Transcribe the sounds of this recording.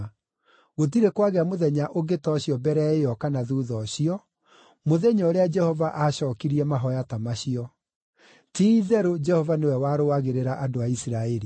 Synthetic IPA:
ɣot̬iɾekwaɣeamoðɛɲaʔoɡetɔɕjɔbɛɾɛeɔkanaðuːðɔɕiɔ | moðɛɲɔːɾead͡ʒɛhɔvaʔaɕɔːkiɾiɛmaɦɔjatamaɕiɔ | tiiðɛɾod͡ʒɛhɔvanewɛwaɾoaɣeɾeɾaʔadoaisiɾaɛɾi

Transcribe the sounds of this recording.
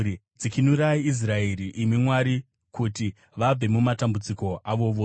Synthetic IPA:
id͡zikinuɾaiis̬rae̞ɾiʔimimwaɾi | kuti | ʋab͡ve̞mumatambud͡ziko̞ʔaʋo̞ʋoː

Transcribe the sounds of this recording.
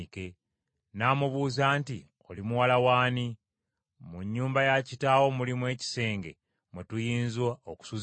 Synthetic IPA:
ke̞ | naːmuβuːzaːnti | o̞̰limuwalawaːni | muɲːuːmbajacitaːwo̞mulimwe̞ːci̥se̞ːŋɡe̞̰ | mwetujiːnzwaoku̥suz

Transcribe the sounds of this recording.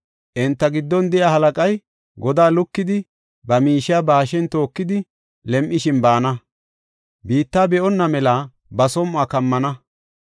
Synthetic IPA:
ʔɛnt̪ːɐɡɪd̪ːɔnd̪ɛjaːhɐlɐkʼɐj | ɡɔd̪aːlʊkːɪd̪ɪ | bɐmiːʃɪaːbaːʃɛnt̪oːkːɪd̪ɪ | lɛmʔɪʃɪnbaːnɐ | biːt̪ːaːbɛʔɔnːɐmɛla | bɐsɔmʊaːkɐmːɐnɐ

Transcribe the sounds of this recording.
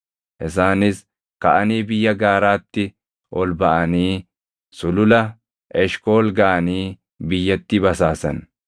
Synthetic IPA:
ʔɪs̬aːnɪs | kɐʔɐniːbɪjːɐɡaːɾaːt̪ːɪ | ʔɔlbɐʔɐniː | sʊlʊlɐ | ʔɛʃko̞ːlɡɐːɐniː | bɪjːɐt̪ːɪbɐsaːsɐ̰n

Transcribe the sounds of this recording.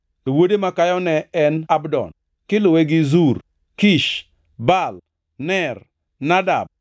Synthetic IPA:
towodemakajɔnɛɛnabdɔ̰n | kɪlʊweɡɪzur | kiʃ | bal | nɛr | nada̰b̚

